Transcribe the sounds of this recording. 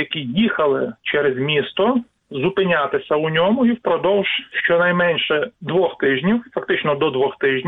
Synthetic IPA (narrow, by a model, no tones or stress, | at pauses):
jɐkʲijixɐlˠɪt͡ʃɛɾezmʲist̪ɔ | zʊpɪnʲat̪ɪsʲɐʊnʲɔmʊiwpɾɔd̪ɔwʒ̥ʃt͡ʃɔnɐjmɛnʲʃɛd̪ʋɔxt̪ɪʒnʲiwfɐk̚t̪ɪt͡ʃnɔd̪ɔd̪ʋɔxt̪ɪʒnʲ